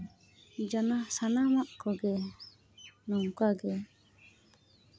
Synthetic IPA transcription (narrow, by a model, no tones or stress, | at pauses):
d͡ʒanasanamaʔkɔɡɛ | nɔŋkaɡɛ